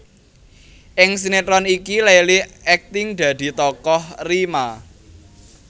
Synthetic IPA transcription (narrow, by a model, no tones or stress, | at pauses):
ʔɪŋs̬inet̪ɾɔnikilajliɛk̚t̪ɪŋd̪̥ä̤d̪̥i̤t̪ɔkɔhrima